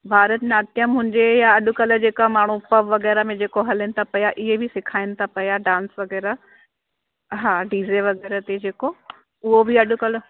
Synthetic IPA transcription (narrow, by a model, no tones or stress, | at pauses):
bʱaːɾət̪naːt̪jəmɦʊ̃ɪ̃ɲd͡ʑejaɐɗʊ̆kɐld͡ʑeːkamaːɳ̤̃upɐʋʋɐɣɛːɾəmẽd͡ʑeːkoɦɐlɪnɪt̪ʰapɐjaʔɪɦebʱɪsɪkʰaːɪnɪ̆t̪ʰapɐjaɖãːnsʋɐɣɛːɾa | ɦãːɖiːzeʋɐɣɛːɾət̪ed͡ʑeːko | ʊɦobʱiɐɗʊ̆kɐl̆